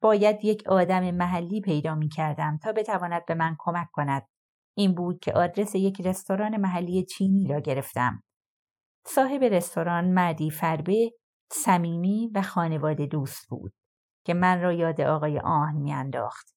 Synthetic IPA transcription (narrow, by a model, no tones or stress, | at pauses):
b̥ɒːjæd̪je̞cʰɒːd̪æme̞mæɦælːiːpʰe̞jd̪ɒːmiːcʰæɾd̪æmt̪ʰɒːbe̞t̪ʰævɒːnæd̪̚be̞mænkʰo̞mækʰkːo̞næd̪̥̚ | ʔiːnbuːd̪̥̚cʰe̞̰ʔɒːd̪ɾe̞se̞je̞cʰre̞st̪o̞ɾɒːne̞mæɦælːijet͡ʃʰiːniːɾɒːɟe̞ɾeft̪æ̰m | sɒːɦe̞be̞ɾe̞st̪ʰo̞ɾɒːnmæɾd̪iːfæɾbe | sæmiːmiːvæxɒːne̞vɒːd̪e̞d̪uːst̪̚b̥ṵːd̪̥ | cʰe̞mænrɒːjɒːd̪eʔɒːɣɒːjḛʔɒːhnmiænd̪ɒ̰ːxt̪